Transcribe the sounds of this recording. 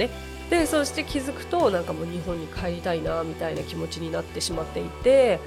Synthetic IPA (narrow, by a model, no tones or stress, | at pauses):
e | d̪̥e̞so̞ɕi̥t̪e̞kʲizɨkɯ̟̥t̪o̞nãŋkamo̞ːɲ̟iɦõ̞ɲ̟ːikʰae̞ɾʲit̪ainamʲit̪ainakʲimo̞t͡ɕiɲ̟inat̪ːe̞ɕimat̪ːe̞it̪e̞